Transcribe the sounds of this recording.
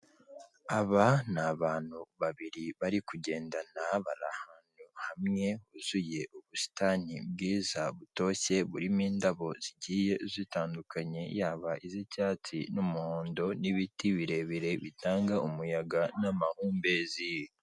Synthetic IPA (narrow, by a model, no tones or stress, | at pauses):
aβanaβaːn̥huβaβiɾiβaɾikuɟe̞ːndanaβaɾa̰haːn̥uhamŋe̞huz̥uje̞ʔuβusi̥taːnib̚ɡiːzaβuto̞çe̞βuɾimiːndaβo̞z̥iɟiːje̞zitaːndukʰaɲe̞jaːβaʔizicaːt͡sinumuhoːndo̞niβitiβiɾe̞βiɾe̞βitaːŋɡaʔumujaɡanamahuːmbe̞zij